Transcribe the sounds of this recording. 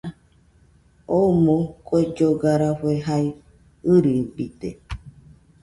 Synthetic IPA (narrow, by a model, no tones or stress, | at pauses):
omõkʼoed͡ʒoɡaɾaɸeɦai | ɨɾibit̪e